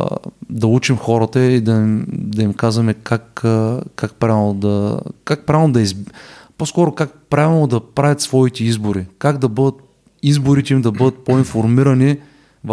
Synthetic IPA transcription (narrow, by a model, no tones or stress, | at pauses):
d̪ɐut͡ʃimxɔɾət̪əid̪ɐmd̪ɐimkazvɐmɛkakkak̚pɾavɛlˠod̪ɐkak̚pɾaɛlˠnod̪ɐizposkɔɾokak̚pɾavɛlˠod̪ɐpɾavʲɐt̪svɔit̪ɛizboɾikaɡd̪ɐbɤd̪ət̪̚ | izboɾit̪ɛimd̪ɐbɤd̪ət̪̚poinfoɾmiɾɐni | v